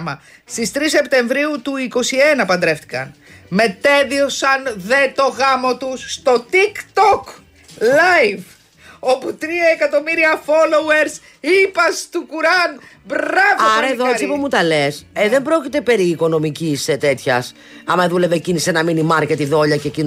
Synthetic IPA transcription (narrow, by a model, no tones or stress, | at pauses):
mɐ | st̪ist̪ɾis̬e̞pt̪e̞ɱvɾiut̪uiko̞sie̞nɐpɐnd̪ɾe̞ft̪ikɐnme̞t̪e̞ðio̞sɐnðe̞t̪o̞ɣɐmo̞t̪usːt̪o̞t̪ikt̪ok | lɐjv | o̞put̪ɾiɐekɐt̪o̞miɾiɐfo̞lo̞weɾs | ipɐst̪ukuɾɐnbɾɐvɐɐɾɐeðoesipumut̪ɐle̞seðembɾo̞cit̪e̞pe̞ɾiːko̞nomiciset̪e̞t̪çɐs | ɐmɐðule̞vecinisenɐminimɐɾcet̪iðo̞ʎɐcecin